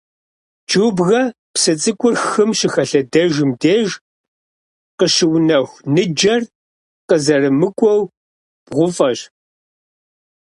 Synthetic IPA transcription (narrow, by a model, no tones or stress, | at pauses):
d͡ʒuːbɣɐ | psɨt͡sʼɨkʷʼʊrxɨmʃɪxɐɬɐdɐʒɨmdeːʒ | qəʃɪwnɐxʷnɨd͡ʒɐr | qəzɐrɨmɨkʷʼɔw | b̥ʁʷʊfʼɐɕ